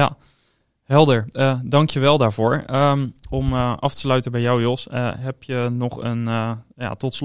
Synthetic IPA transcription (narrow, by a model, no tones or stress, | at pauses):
a̰ | ɦɛlˠdəɹədɑŋkjəʋɛlˠdaːɹv̥oːɹəmɔmʔɑftə̥slœɥtəbɛjɔwjolˠsəɦɛpjənɔχənja̰tɔts